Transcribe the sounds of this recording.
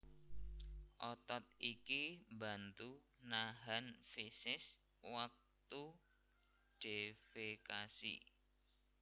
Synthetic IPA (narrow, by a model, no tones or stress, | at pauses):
ʔɔt̪ɔt̪̚ikimba̤nt̪unaɦanfisɪs | wak̚t̪u | ɖ̥e̤fekasḭ